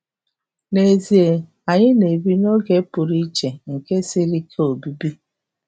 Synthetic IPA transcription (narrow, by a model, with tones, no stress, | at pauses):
ne˨zi˨e˨ | a˨ɲɪ˦ne˨bi˦no˦ɡe˦pʊ˨ɾi˦t͡ʃe˨ŋ̩˨ke˦si˦ɾi˦kʰe˦o˨bi˦bi˦